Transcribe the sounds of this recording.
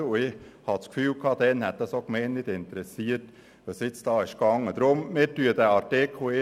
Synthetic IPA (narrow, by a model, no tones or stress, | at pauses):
ʊɪhɑskfyːlkʰɑːd̪ɛnhɛt̪̚d̪æsokmeɪnnɪt̪ɪnt̪əɾɛsiːət | ʋəsɪt̪sd̪̥ɑːɪʃkɑŋːəd̪ɾʊmmɪːtyːəd̪æɑɾteːkʰoɪ